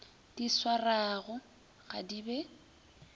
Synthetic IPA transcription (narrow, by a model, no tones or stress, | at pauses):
d̥iswaraɣʊ | ɣa̰dibɛ